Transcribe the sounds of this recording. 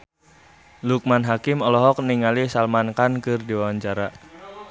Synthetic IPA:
luk̚manɦakɪmɔlɔɦɔk̚niŋalisalmankankɨrdiwawaɲt͡ʃaɾa

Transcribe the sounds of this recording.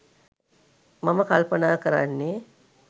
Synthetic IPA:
maməkalpənaːkəɾa̰nːe

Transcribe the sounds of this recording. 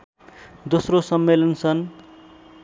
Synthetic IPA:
d̪osrosʌmːelʌnsʰʌn

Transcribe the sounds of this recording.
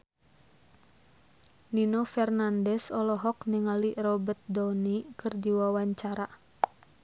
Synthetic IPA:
ninɔfɛrnandɛsɔlɔɦɔkniŋalirɔbət̪̚dɔnikɨrdiwawaɲt͡ʃaɾa

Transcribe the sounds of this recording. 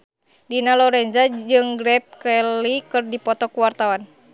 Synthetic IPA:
dinalɔɾɛnd͡ʒad͡ʒɨŋɡɾɛp̚kɛlikɨrdipɔt̪ɔkuwart̪awan

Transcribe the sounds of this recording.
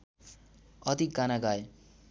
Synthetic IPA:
ʌt̪iɡanaɡaj

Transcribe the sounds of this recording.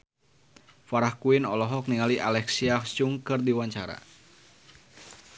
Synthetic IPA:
faɾahkuɪnɔlɔɦɔk̚niŋaliʔalɛksiaht͡ʃuŋkɨrdiwaɲt͡ʃaɾa̰

